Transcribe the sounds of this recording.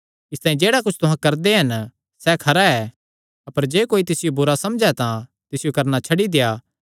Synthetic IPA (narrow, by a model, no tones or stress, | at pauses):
ɪst̪aːĩd͡ʒeːɽakʊt͡ʃʰt̪ʊɦãkɐɾd̪eɦɐn | sɛkʰɐɾaɛː | ɐpəɾd͡ʒeːkoːit̪̬ɪsɪjobʊɾasɐmd͡ʒɛt̪ã | t̪ɪsɪjokɐɾnat͡ʃʰɐɽid̪ejaː